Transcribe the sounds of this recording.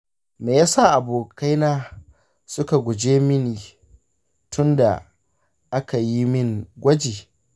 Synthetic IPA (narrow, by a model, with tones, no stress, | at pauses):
meː˨jaː˦saː˦˨ʔa˨boː˨ka˦jnaː˦ | sʊ˦ka˨ɡʷʊ˨d͡ʒeː˦mɪ˦niː˨ | tʰʊ˦nda̰˨ | ʔa˦ka˨ji˦mɪ˦˨ŋɡʷɐ˦d͡ʒeː˨